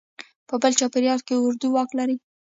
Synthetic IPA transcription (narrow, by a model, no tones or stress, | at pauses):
pəbəlt͡ʃɑpeɾjɑɾkeʊɾd̪uwɑklaɾi